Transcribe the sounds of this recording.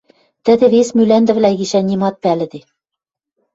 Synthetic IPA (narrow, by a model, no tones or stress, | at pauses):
t̪ɘ̆d̪ɘ̆βesmylænd̪ɘ̆βlæɣiʃænʲimɑt̪̚pælɘ̆d̪e